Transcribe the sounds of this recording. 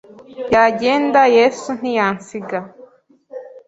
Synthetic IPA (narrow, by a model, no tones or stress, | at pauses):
jaɟe̞ːndajesun̥ijaːnsiɡa